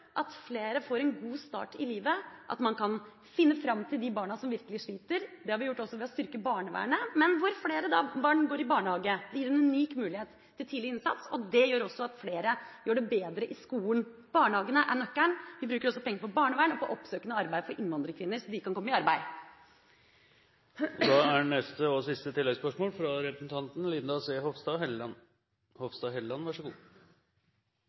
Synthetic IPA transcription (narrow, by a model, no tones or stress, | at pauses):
ʔɑt̪fleːɾəfoːɾɛnɡuːst̪ɑ̰ːʈɪliːʋəʔɑ̰t̪mɑnkʰɑn | fɪnːəfɾɑmːt̪ʰɪld̪ɪbɑːɳɑsɔmʋɪɾkəlɪʂɭiːt̪əɾd̪ɛhɑɾʋɪjʊʈːɔsːɔʋɛɔst̪ʏɾkəbɑːɳəʋæ̰ːəɳəmɛnʋʊɾfleːɾəd̪ɑbɑːɳɡoːɾɪbɑːɳəhɑːɡəd̪ɛjiːɾɛnʉniːkmʉːlɪheːt̪ʰːɪlt̪ʰiːd̪lɪɪnsɑ̰t̪sɔd̪ɛjøːɾɔsːɔɑt̪fleːɾəjøːɖɛbeːd̪ɾəʔɪskuːlən̩ | b̥ɑːɳəhɑːɡənəʔæɳnœkːæɳʋɪbɾʉːkəɾɔsːɔpʰɛŋːəɾpʰɔbɑːɳəʋæːɳɔpʰɔʔɔpsøːkənəɑɾbæɪfɔɾʔɪnːʋɑnd̪ɾəkʰʋɪnːəɾsɔd̪ɪkɑnkɔmːəɪɑɾbæɪ | d̪ɑːænɛst̪əosɪst̪ət̪ʰɪlːɛɡspœʂmoːlfɾɑɾɛpɾəsn̩t̪ʰɑnt̪n̩lɪnd̪ɑseːɦoʋst̪ɑːɦɛln | hɔʋst̪ɑɦɛlɑnʋɑʂəɡuː